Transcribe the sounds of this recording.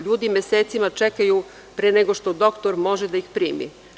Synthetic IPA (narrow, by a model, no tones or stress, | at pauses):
ʎuːd̪imjeseːt̪simat͡ʃekaju | pɾeneɡoʃt̪o̞d̪o̞kt̪o̞ɾmo̞ʒed̪aixpɾiːmḭ